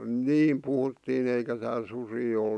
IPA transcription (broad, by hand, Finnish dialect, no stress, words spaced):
niːm puhutːiːn eikæ tæːl susiː ol